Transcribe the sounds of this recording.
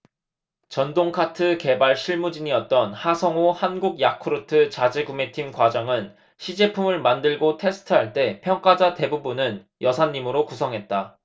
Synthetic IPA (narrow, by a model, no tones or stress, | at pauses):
t͡ɕʌndoŋkʰatʰɯke̞baɭɕʰiɭmud͡ʑiɲiʌt̚t͈ʌnhasʰʌŋohanɡuɡjakʰɯɾɯtʰɯt͡ɕad͡ʑeɡume̞tʰimkwad͡ʑaŋɯn | ɕʰid͡ʑe̞pʰumɯɭmandɯɭɡotʰe̞sʰɯ̥tʰɯɦaɭt͈e̞pʰjʌŋk͈ad͡ʑate̞bubunɯn | jʌsʰaɲːimɯɾokusʰʌŋɦe̞t̚t͈a